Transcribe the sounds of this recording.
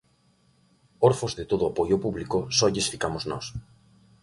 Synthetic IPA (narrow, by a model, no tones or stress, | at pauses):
oɾfozðet̪oðʊapojopuβlikosɔʎesfikamoznɔ̰s